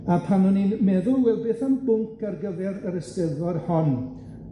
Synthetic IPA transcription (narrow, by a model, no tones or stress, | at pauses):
apʰanɔninmɛðʊlˠwɛlˠbeːθambʊŋkʰarɡəvɛɾəɾəstəðɔrhɔn